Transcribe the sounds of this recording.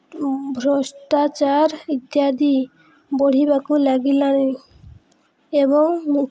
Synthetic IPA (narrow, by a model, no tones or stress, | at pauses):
bʱɾoʃt̪at͡ɕaɾit̪ːjad̪i | boɽ̤ibakulaɡilani | eboŋn